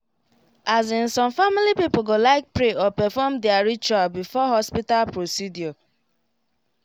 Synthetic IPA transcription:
azĩnsɔ̃mfamilipipoɡolaɪk̚pɹeɔpɛfɔmdɪaɹit͡ʃualbifɔɦɔspitalpɹosidjɔ

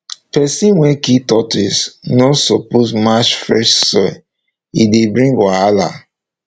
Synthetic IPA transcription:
pɛsĩnwɛ̃kitɔtisnɔsɔpozmaʃfɹɛʃsɔ | idebɹĩŋɡaala̰

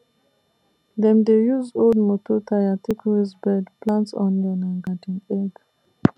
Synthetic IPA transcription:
dɛ̃md̪ejuzoldmototʰaatʰikʰɹisbɛdplãntsɔ̰̃nlɛ̃nãnɡatĩŋɛɡ

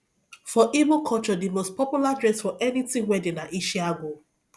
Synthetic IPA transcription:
fɔʔibokʰɔt͡ʃɔdimospʰɔpjuladɹɛ̃sfɔʔɛnitĩŋwɛdenaʔiʃiaɡo

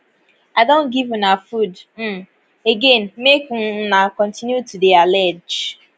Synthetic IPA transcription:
aɪdõnɡivunafud̩ | eɡẽnmek̩nakɔ̃ntinjutudialɛd͡ʒ

